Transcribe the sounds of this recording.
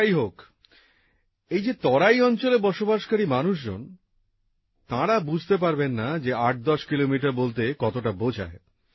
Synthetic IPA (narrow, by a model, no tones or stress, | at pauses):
ajɦok | ejd͡ʑet̪ɔɾajɔnt͡ɕolebɔʃobaʃkaɾimanuʃ̬d͡ʑo̰n | t̪ãɾabud͡ʑʱt̪ep̬aɾbenːad͡ʑeaʈ̚d̪ɔʃkilomiʈaɾbolt̪ekɔt̪oʈabod͡ʑʱa̰e